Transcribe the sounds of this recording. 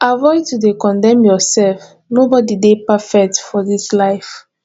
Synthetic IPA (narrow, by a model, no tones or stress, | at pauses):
ʔavɔɪtudekɔ̃ndɛ̃mjɔsɛlf | nobɔdidepafɛk̚tfɔðislaɪf